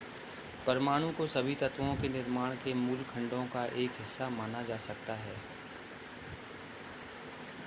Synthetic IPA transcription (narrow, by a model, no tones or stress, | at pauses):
pɐɾmaːɽ̃ũkosɐbʱit̪ɐt̪wõkenɪɾmaːɽ̃kemuːlkʰɐ̃ɳɖõkaʔeːkɦɪsːamaːnad͡ʒaːsɐk̚t̪aɦɛː